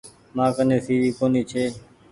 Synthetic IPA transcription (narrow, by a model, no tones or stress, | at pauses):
mãːkənẽːsiːʋiːkoːniːt͡ʃʰeː